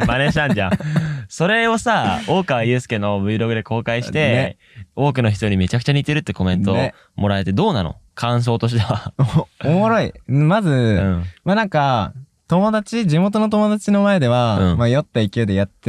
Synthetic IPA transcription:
mane̞ɕi̥t̪ãɲd͡ʑã̰so̞ɾe̞o̞sao̞ːkɯβajɯ̟ːsɨ̥keno̞bɯ̟iɾo̞ɡɯ̟d̪e̞ko̞ːkaiɕit̪e̞ | o̞ːkɯ̟no̞çi̥t̪oɲ̟ime̞t͡ɕakɯ̟̥t͡ɕaɲ̟it̪e̞ɾɯ̟t̪ːeko̞mẽ̞nt̪oe | mo̞ɾae̞t̪e̞d̪o̞ːnano̰kʰãɰ̃s̬o̞ːt̪o̞ɕ̬i̥t̪e̞βaoomoɾo̞iɯ̟̃mazɨɯ̃manãŋka | t̪o̞mo̞d̪at͡ɕid͡ʑimo̞t̪o̞no̞t̪̬o̞mo̞d̪at͡ɕino̞mae̞d̪e̞βaɯ̰̃majo̞t̪ːaikʲiɯːd̪e̞jat̪ːe

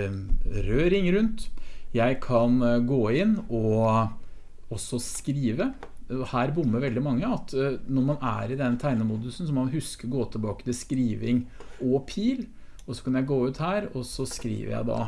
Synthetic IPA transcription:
ɾøːɾɪŋɾʉnt̪jæɪkʰɑnɡoːɪnːɔ | ɔsːɔskɾiːʋə | ɔhæːɾbʊmːəɾʋɛld̪ɪmɑŋːəɑt̪nɔɾmɑnæ̰ɾɪd̪ɛnːt̪ʰæɪnəmuːd̪ʉsn̩sɔmɑnɦʉskəɾɡoːt̪ʰɪlbɑːkə̥t̪ɪskɾiːʋɪŋɔpʰiːl | ɔsɔ̥kʰɑnjæɪɡoːʉːt̪hæːɾɔsːɔskɾḭːʋə̰ɾjæ̰ɪd̪ɑ̰

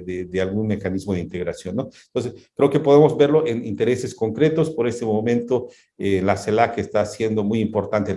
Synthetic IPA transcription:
ðed̪ealɣunme̞kanizmoðeint̪e̞ɣɾasjo̞nːont̪o̞ns̬eskɾe̞oke̞poðemo̞zbe̞ɾlo̞ʔenḭnt̪e̞ɾe̞se̞sko̞ŋkɾe̞t̪o̞spo̞ɾe̞st̪emomẽnt̪o | enlaselakeːst̪asje̞nd̪o̞mujimpo̞ɾt̪ant̪e

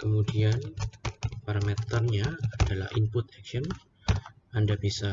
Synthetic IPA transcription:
kəmudian | paɾamet̪ərɲaːdalahʔimpʊt̪̚ɛkʃɔn | andabisa

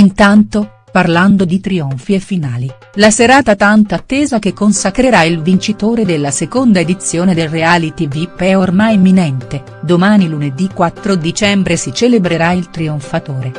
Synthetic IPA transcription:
int̪ant̪o | parland̪od̪it̪ɾioɱfiefːinaːli | laseɾaːt̪at̪ant̪aːt̪ːeːzak̟ekːonsakɾeɾailvint͡ʃit̪oːɾed̪elːasekond̪aed̪it̪sːjoːned̪elreaːlit̪ivipːɛormajmːinɛnt̪e | d̪omaːniluned̪ikːwat̪ːɾod̪it͡ʃɛmbɾesit͡ʃelebɾeɾailt̪ɾioɱfat̪oːɾe

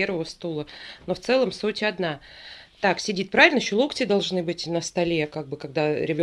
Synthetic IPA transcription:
eɾvəvəst̪ulˠəno̞ft̪sɛlˠəmsutʲɐd̪na | t̪aksʲɪdʲit̪̚pɾavʲɪlʲnəjɪɕːolˠuktʲɪd̪ɐlˠʐnɨbɨtʲnəst̪ɐlʲekaɡ̚bɨkɐɡ̚d̪aɾʲɪbʲo

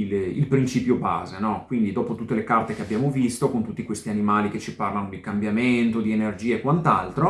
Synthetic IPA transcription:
ililpɾint͡ʃiːpjoba̰ːzenɔkwind̪id̪ɔːpot̪ut̪ːelekart̪ekeabjaːmovist̪okont̪ut̪ːikwest̪ianimaːliket͡ʃiparlanod̪ikambjament̪od̪ienerd͡ʒiːaekwant̪a̰lt̪ɾo

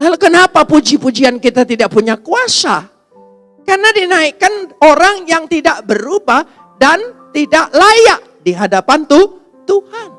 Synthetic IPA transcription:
lalukənapapud͡ʒipud͡ʒiankit̪at̪idaʔ̚puɲakuasa | karnadinaikanoɾaŋjaŋt̪idaʔbəɾubah | dant̪idaʔlajaʔ | diɦadapant̪u | t̪uhan

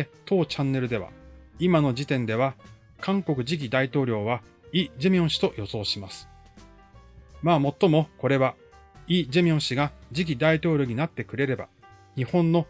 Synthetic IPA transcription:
t̪o̞ːt͡ɕãnːe̞ɾɯ̟d̪e̞βa̰imano̞d͡ʑit̪ẽ̞nd̪e̞β̞a | kʰãŋko̞kɯ̟ʑik̬ʲid̪ait̪o̞ːɾʲo̞ːβa | iːd͡ʑemʲiõ̞ɕi̥t̪o̞jo̞so̞ːɕimasɨ̥ | maːmo̞t̪ːo̞mo̞ko̞ɾe̞βa | iːd͡ʑemʲiõ̞ɰ̃ɕiɡad͡ʑik̬ʲid̪ait̪o̞ːɾʲo̞ɲ̟inat̪ːe̞kɯ̟ɾe̞ɾe̞ba̰ | ɲ̟ihõ̞nːo̞

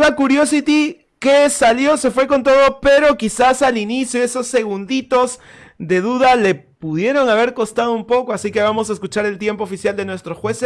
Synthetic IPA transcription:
lakuɾjo̞sit̪i | kesaljo̞se̞fwe̞ko̞nt̪o̞ðo̞pe̞ɾo̞kisasalinisjoe̞so̞sːe̞ɣund̪it̪o̞z | ðe̞ðuðale̞puðje̞ɾo̞ŋaβe̞ɾko̞st̪aðoumpo̞ko̞asike̞βamo̞saeskut͡ʃaɾe̞lt̪je̞mpoːfisjald̪e̞nwe̞st̪ɾo̞xwe̞s

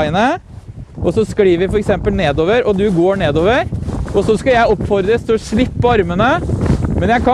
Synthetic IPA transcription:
ɪənə | ʔɔsɔskɽiːʋɪfɔɾɛksɛmpəlneːd̪oːʋəɾʔɔd̪ʉɡoːɳeːd̪oːʋəɾɔsɔskɑjæɪɔpːfɔɾd̪ɾəst̪ʰɪlʂɭɪpːɔɑɾmənəmɛnjæɪkʰɑ

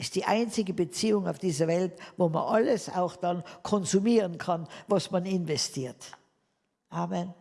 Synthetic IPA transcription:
ʔɪstd̥iːʔa̰ɪnt͡sɪɡəbət͡siːʊŋaʊfd̥iːzɐvɛltvoːma̰nʔaləsa̰ʊxd̥ankʰɔnzumiːʁənkʰanvasmanɪnvɛstʰiːɐt | ʔaːmɛn

